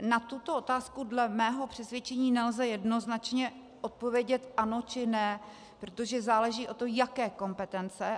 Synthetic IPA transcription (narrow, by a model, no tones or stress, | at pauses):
nat̪ut̪o̞ʔot̪aːskudlɛmɛːɦo̞pr̝̥ɛsvʲjɛt͡ʃɛɲiːnɛlzɛjɛdno̞znat͡ʃɲɛ | ʔot̪̚povjɛɟɛt̪ʔano̞t͡ʃɪnɛ | pɾo̞t̪o̞ʒɛzaːlɛʒiːʔo̞t̪ojakɛːko̞mpɛt̪ɛnt͡sɛ